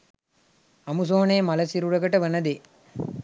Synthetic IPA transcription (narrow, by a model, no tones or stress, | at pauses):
ɐmus̬oːneːmɐlɐsiɾuɽɐɡɐʈɐʋɐnɐd̪e